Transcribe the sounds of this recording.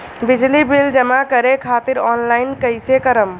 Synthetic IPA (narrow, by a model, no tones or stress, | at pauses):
bid͡ʒlibild͡ʒəmakəɾekʰaːt̪iɾɔːnlaɪnkəɪsekəɾəm